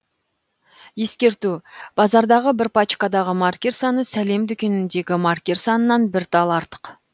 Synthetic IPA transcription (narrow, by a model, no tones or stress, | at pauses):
je̞skʲe̞ɾt̪ub̥ɑzɑɾd̪ɑʁəbɪɾpat͡ʃkad̪ɑʁəmarkʲe̞ɾsɑnəsæle̞md̪ʏkʲe̞nɪnd̪e̞ɡʲɪmarkʲe̞rsɑnənːɑnbɪɾt̪ɑlˠɑɾt̪ə̥q